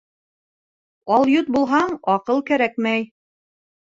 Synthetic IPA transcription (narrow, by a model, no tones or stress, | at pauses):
ɑlˠjut̪̚bulˠɦɑɴɑqɤlˠkæɾækmæj